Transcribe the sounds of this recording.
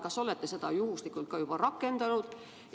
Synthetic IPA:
kɑso̞le̞t̪ːese̞d̪̥ɑjuhuslikːˑult̪̚kɑjub̥ɑrɑkːˑe̞nd̪̥ɑnud̪̥

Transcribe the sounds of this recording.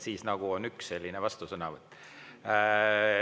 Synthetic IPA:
siːsnɑɡ̥uonyksːelʲːinevɑst̪usɤnɑvɤt̪ːˑ

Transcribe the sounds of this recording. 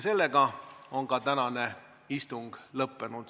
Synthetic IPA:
se̞lːe̞ɡ̥ɑo̞ŋkɑt̪ænɑne̞ | ist̪uŋɡ̥lɤpːe̞nud̪̥

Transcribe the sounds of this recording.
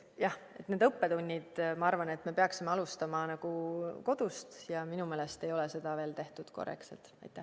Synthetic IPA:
jɑh | e̞t̪ːne̞ːd̪ɤpːe̞t̪unʲːid̪̥mɑɑrvɑne̞t̪ːˑme̞pe̞ɑksimeɑlust̪ɑmɑnɑɡ̥uko̞d̪̥ust̪jɑminume̞ːlest̪e̞jo̞lese̞d̪̥ɑve̞ːlt̪e̞ht̪ud̪̥ko̞̰rḛksḛlt̪ˑɑ̰jt̪ːˑæh

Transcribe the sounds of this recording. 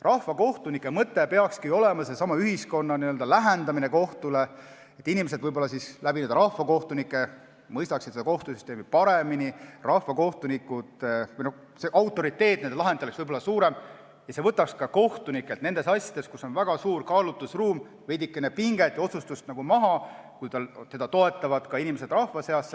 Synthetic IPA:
rɑhvɑko̞ht̪unikːˑe̞mɤt̪ːepe̞ɑkskio̞le̞mɑse̞sɑmɑyɦisko̞nːɑniø̞ld̪ɑlæɦend̪̥ɑmineko̞ht̪ule | et̪ːˑinime̞s̬ed̪vɤjbo̞lːɑsislæbinend̪̥ɾɑhvɑko̞ht̪unikːˑe̞ | mɤjst̪ɑksit̪se̥ɑko̞ht̪usyst̪e̞ːmipɑɾe̞minirɑhvɑko̞ht̪unikːˑud̪̥no | seʔɑwt̪ːˑo̞ɾit̪ːˑe̞ːt̪nend̪elɑɦe̞nt̪ːeleksvɤjbo̞lːɑsuːɾe̞m | jɑse̞vɤt̪ːˑɑkskɑko̞ht̪unikːˑe̞lt̪ne̞nd̪̥e̞sɑsʲjɑd̪e̞skusːo̞nvæɡ̥ɑsuːɾkɑːlut̪ːˑusruːm | vejd̪ikːˑenepiŋɡ̥e̞t̪jɑo̞t̪sust̪ust̪nɑɡ̥umɑɦɑkujt̪ɑlt̪e̞d̪ɑt̪o̞e̞t̪ːˑɑvɑd̪̥kɑinimese̞d̪̥rɑhvɑse̞ɑsːe

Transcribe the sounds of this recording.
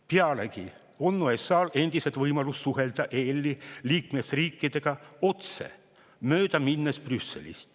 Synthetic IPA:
peɑleki | o̞nːuesɑːle̞nd̪̥iset̪vɤjmɑlusːuɦe̞ld̪̥ɑʔelʲːiliːkmesriːkːid̪̥e̞ɡ̥ɑo̞t̪se̞̰ | møːd̪̥ɑminːesprysːe̞̰lḭst̪

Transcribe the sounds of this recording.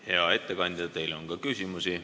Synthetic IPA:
he̞ɑe̞t̪ːe̞kɑnʲd̪̥ʲid̪ɑt̪e̞jlo̞nkɑkysʲimusi

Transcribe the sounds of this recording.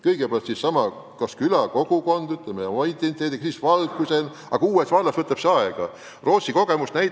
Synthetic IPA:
kɤjɡ̥epælt̪sissɑmɑ | kɑskylɑko̞ɡ̥uko̞nd̪̥yt̪lemeomɑit̪ːˑenit̪eːd̪ikɑsiːsvɑlkˑuse̞n | ɑ̰ɡ̥ɑuːesvɑlːɑsvɤt̪ːˑɑpseɑeɡ̥ɑ̰ | ro̞ːt̪siko̞ɡ̥e̞musnæj

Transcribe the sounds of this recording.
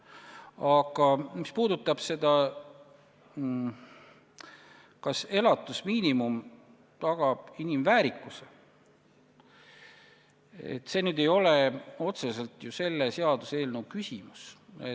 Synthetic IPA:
ɑɡ̥ɑmispuːd̪̥ut̪ːˑɑb̥se̞d̪̥ɑ | kɑse̞lɑt̪ːˑusmiːnimum | t̪ɑɡ̥ɑb̥inimvæːɾikːˑuse | ḛt̪ːˑse̞ːnyːd̪̥e̞jo̞leo̞t̪se̞se̞lt̪ˑjuse̞lːese̞ɑd̪use̞ːlnuwkysʲimuse

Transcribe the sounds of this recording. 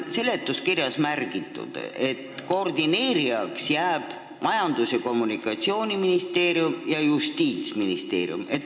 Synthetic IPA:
se̞le̞t̪ːˑuskirjɑsmærɡ̥it̪ːˑṵd̪̥e̞t̪koːrd̪̥ine̞ːɾiɑksjæːb̥ | mɑjɑnd̪useko̞mːunikːˑɑt̪sio̞ːnʲiminist̪e̞ːɾjumjɑjust̪iːt̪sminist̪e̞̰ːɾj̰ṵme̞t̪ː

